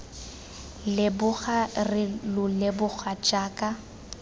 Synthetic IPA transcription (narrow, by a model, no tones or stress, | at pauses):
lɪbʊχarɪlʊlɪbʊɣʰat͡ʃʼaːkʼa